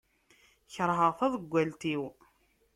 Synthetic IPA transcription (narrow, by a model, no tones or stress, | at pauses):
çəɾˤɦəʁθæðəɡʷːælt̪iw